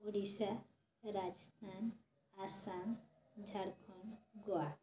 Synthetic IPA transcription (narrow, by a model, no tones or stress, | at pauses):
oɽisa | ɾad͡ʒəst̪ʰan | aɾsaŋ | d͡ʒʱaɽkʰɔɳɡoa